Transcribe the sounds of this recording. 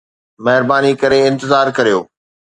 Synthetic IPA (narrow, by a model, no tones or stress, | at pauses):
mɐɦɪɾbaːnikɐɾeɪ̃nt̪ɪzaːɾkɐɾijo̰ː